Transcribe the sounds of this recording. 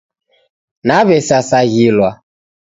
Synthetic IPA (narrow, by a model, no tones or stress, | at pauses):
naβɛsasaɣilwa